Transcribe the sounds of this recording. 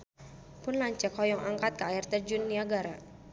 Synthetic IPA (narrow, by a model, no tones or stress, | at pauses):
pʊnlaɲt͡ʃakɔjɔŋaŋkat̪̚kəaɪrt̪ərd͡ʒunːiaɡaɾa